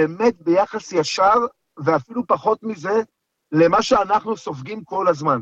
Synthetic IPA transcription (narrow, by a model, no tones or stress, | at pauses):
eːme̞t̪̚be̞jaχasjaʃav | veafilupaχo̞t̪mize̞ | le̞maʃeanaχnuso̞fɡimko̞lazman